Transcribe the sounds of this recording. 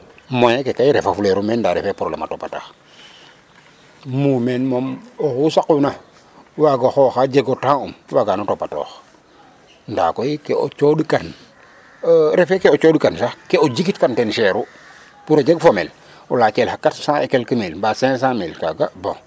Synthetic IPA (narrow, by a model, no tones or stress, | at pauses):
mojekekajiɾefafuleɾumeːndaɾḛfepɾoblḛma̰topata̰x | mumenmomoxusakuna | waɡaxoːxad͡ʒeɡotãumwaɡanotopato̰ːx | nda̰ːkoikeo̰t͡ʃoːdikan | ɾefekeot͡ʃoːdikansaxkeoɟikitkantɛnʃeːɾu | puɾod͡ʒeɡfomel | ulaːt͡ʃelhakatsãekelkimilbasẽs̬ãmilkaɡabõ̰